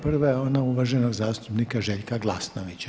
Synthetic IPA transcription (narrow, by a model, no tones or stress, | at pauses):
prʋajeo̞nauʋaʒenoɡzaːst̪u̥pnikaʒeʎkaɡlˠasnoʋit͡ɕa